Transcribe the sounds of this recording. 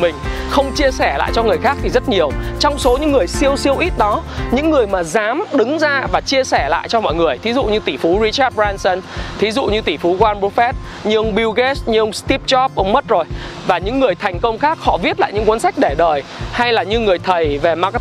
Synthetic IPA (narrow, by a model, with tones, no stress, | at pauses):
mï˨˩ŋ̟ | xə˧wŋ͡mt͡ɕi˧əsɛ˧˩la̰ː˧˨jt͡ɕɔ˧ŋɨ˨˩əjxaː˦˥k̚t̪ʰi˨˩zə˦˥t̚ɲi˨˩əwt͡ɕɔ˧wŋ͡mso˨˦ɲɨ̰˧˥ŋːɨ˨˩əjsi˧əwsi˧əwʔi˦˥t̚ɗɔ˨˦ɲɨ̰˧˥ŋːɨ˨˩əjmaː˨˩zaː˨˦mɗɨ˨˦ŋzaː˧vaː˨˩t͡ɕi˧əsɛ˧˩la̰ː˧˨jt͡ɕɔ˧mɔ̰˧˨jŋɨ˨˩əjt̪ʰi˨˦zṵ˧˨ɲɨ˧t̪i˧˩fu˨˦ɹi˧˥t͡ɕaː˦˥t̚ɓzaː˧nsə˧nt̪ʰi˨˦zṵ˧˨ɲɨ˧t̪i˧˩fu˨˦ɣwaː˧nɓu˧˦˥fɛ˦˥t̚ | ɲɨ˧ŋɓi˧wɣɛ˦˥sɲɨ˧ŋst̪i˦˥p̚t͡ɕɔ˦˥p̚ʔə˨˦wŋ͡mmə˦˥t̚zo˨˩jvaː˨˩ɲɨ̰˧˥ŋːɨ˨˩əjt̪ʰjŋ̟kə˧wŋ͡mxaː˦˥k̚hɔ̰˧˨vi˦˥ət̚la̰ː˧˨jɲɨ̰˧˥ŋkwə˨˦nsa˦˥jk̟̚ɗe˧˩ɗəː˨˩jha˧jlaː˨˩ɲɨ˧ŋɨ˨˩əjt̪ʰə˨˩jve˨˩ma˧k